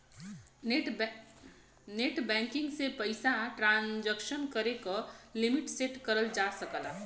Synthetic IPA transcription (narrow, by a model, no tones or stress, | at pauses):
neʈbɛŋkiŋɡsepəjsaʈɾand͡ʒəksənkəɾekɔlimiʈseʈkəɾəld͡ʒasəkəla